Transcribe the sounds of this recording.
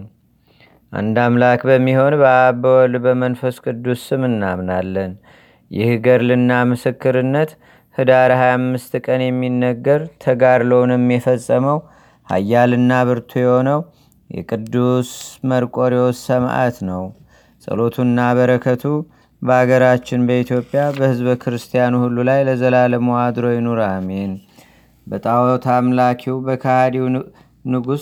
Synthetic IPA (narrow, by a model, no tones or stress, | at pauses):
ʔa̰nd̪amlakbəmːiho̞nbəabəwɔlbəmənfəskʼɨd̪ːusɨmɨnːamnalːən | jɪ̰hɡəɾlɨnːamɨsɨkːɨɾɨnːət̪ | hɨd̪aɾhajamːɨst̪kʼənjɛmːinːəɡːəɾt̪ʰəɡaɾləwnɛmːjɛfəsʼːəməw | ha̰jːalɨnːaβɨɾt̪ʰojɛho̞nəw | jɛ̰kʼɨd̪ːusməɾkʼo̞ɾɛwsəmʔa̰t̪nəw | sʼə̰lo̞t̪ʰuɨnːaβəɾəkʰət̪ʰu | bəhaɡəɾat͡ʃːɪnbəit̪ʰjo̞pʼːjabəhɨzβkʰɨɾɨst̪ʰijanuhulːulajləzəlaləməwad̪ɾo̞jɛnoɾamen | bət̪ʼawt̪ʰamlakʰiwbəkʰahad̪iw | nɨɡus